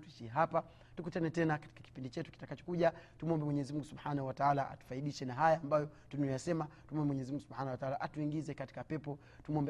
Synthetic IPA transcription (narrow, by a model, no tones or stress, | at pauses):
tuiʃiɛɦapa | tukutanɛtɛnakḁti̥kaki̥pindit͡ʃɛtu̥ki̥takat͡ʃɔ̥kuʄatumɔmbɛmwɛɲɛzimuŋɡusubħanauwataalaa̰tu̥faiɗiʃɛnaɦajaːmbajɔtunɔjasɛmatumɔmbɛmwɛɲɛzimuŋɡusubhanawataalaʔatuiŋɡizɛkati̥kapɛpɔ | tumɔmbɛ